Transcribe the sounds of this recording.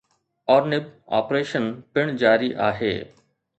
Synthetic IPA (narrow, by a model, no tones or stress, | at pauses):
ɔːɾnɪba̰ːpɾeːʃənpɪɽ̃d͡ʑaːɾiʔa̰ːɦḛː